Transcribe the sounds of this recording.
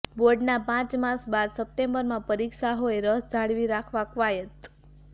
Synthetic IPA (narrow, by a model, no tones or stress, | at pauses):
boɾɖnapãt͡ʃmasbad̪səp̚ʈembəɾmãpəɾiksaɦoeɾəsd͡ʒʱaɭʋiɾakʰʋakʋajət̪